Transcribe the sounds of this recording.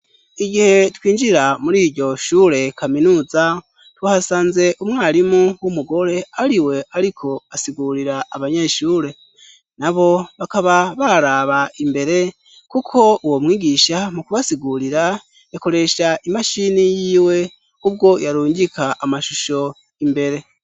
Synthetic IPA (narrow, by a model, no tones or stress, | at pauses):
iɡihe̞twiːnd͡ʒiɾamuɾiːɾɟo̞ʃuːɾe̞kaminuːza | twahasaːnze̞ʔumŋaːɾimuwumuɡo̞ɾe̞aɾiwe̞aɾikʰo̞asiɡuɾiɾaːβaɲeʃuːɾe̞ | naβo̞βakaβaβaɾaβaimbe̞ɾe̞ | kukʰo̞uwo̞mwiːɡiːʃamukuβasiɡuɾiɾa | jako̞ɾe̞ʃaʔimaʃinijiːwe̞ | ub̚ɡo̞jaɾuːɲɟikʰaʔamaʃuʃo̞ | imbe̞ɾe̞